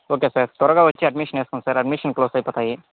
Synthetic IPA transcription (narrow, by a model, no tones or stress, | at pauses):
okesɐɾt̪ɔɾɔɡaʋot͡ʃiɐɖmiʃəneskonsəɾɐɖmiʃənkloːsajpɐt̪ai